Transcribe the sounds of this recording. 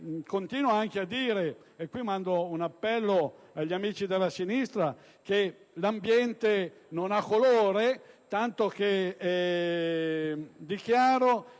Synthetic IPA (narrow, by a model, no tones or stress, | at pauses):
kont̪iːnwaaŋkead̪ːiːɾe | ekwimand̪ounapːɛlːoaʎːamiːt͡ʃid̪elːasinist̪ɾa | k̟e | lambjɛnt̪e | nonakːoloːɾet̪ant̪ok̟eɛ | d̪ik̟jaːɾo